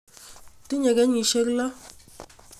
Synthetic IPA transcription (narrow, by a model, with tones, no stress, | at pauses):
ti˦ɲɛ˨ɡɛ˦ɲi˨˦ʃe˦kla˦